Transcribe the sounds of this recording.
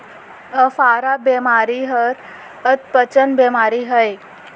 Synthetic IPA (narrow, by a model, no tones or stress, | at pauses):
əfaːɾabemaːɾiɦəɾ | ət̪pət͡ʃənbeːmaːɾiɦəj